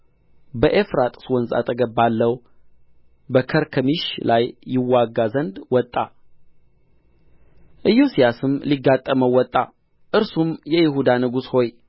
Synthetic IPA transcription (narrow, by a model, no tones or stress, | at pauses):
bəʔefɾat̪ʼswɔnza̰t̪ʰʼəɡəbːalːəw | bəkʰəɾkʰəmiʃlajːɪwːaɡazənd̪wɔt̪ʼːa | ʔɨjusijasɨmliɡːat̪ʼːəməwːɔt̪ʼːa | ʔɨɾsumjɛjɪɦud̪anɨɡusho̞j